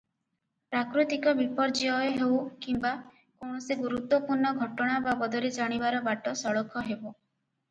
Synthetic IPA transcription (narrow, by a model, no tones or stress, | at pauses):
pɾakɾut̪ikɔbipɔɾd͡ʒiɔeɦewkimba | kowɳɔsiɡuɾut̪wɔpuɾɳɔɡʱɔʈɔɽ̃ababɔd̪ɔɾed͡ʒaɽ̃ibaɾɔbaʈɔsɔɭɔkʰɔɦebɔ